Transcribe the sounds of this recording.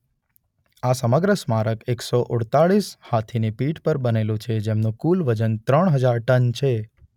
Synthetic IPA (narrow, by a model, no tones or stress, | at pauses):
asəməɡɾəsmaɾəkeksoʔʊɽt̪aɭishat̪ʰinipiʈpəɾbənelũt͡ʃʰed͡ʒemnũkulʋəd͡ʒənt̪ɾəɳ̃ɦəd͡ʒaɾʈənt͡ʃʰe